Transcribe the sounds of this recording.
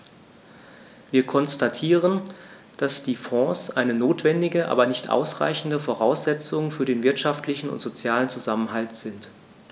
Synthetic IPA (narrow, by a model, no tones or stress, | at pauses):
viːɐkʰɔnstatʰiːʁən | d̥asd̥iːfɔ̃ːsʔaɪnənoːtv̥ɛndɪɡəʔa̰ːbɐnɪçtʔa̰ʊsʁ̥a̰ɪçn̩dəfoʁ̞aʊsz̥ɛt͡sʊŋfyːɐdeːnvɪɐtʃaftʰlɪçn̩ʊ̰ntz̥ot͡sjaːlənt͡suzamənɦaltz̥ɪnt